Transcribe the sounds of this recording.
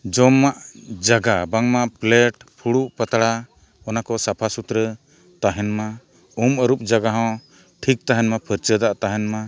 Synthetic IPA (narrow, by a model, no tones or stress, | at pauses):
d͡ʒɔmːaʔd͡ʒaɡabaŋmaʔplɛʈpʰuɽuʔpat̪aɽa | ɔnakɔsapʰasut̪ɾə | t̪aɦɛnma | uməɾup̚d͡ʒaɡaɦɔ̃ | ʈʰik̚t̪aɦɛnmapʰəɾt͡ʃəd̪aʔt̪aɦɛnma